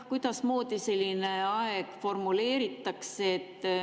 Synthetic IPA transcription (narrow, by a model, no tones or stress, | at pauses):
kujd̪̥ɑsmo̞ːd̪ise̞lʲːine̞ɑeɡ̥fo̞rmule̞ːɾit̪ːˑɑkseːt̪ː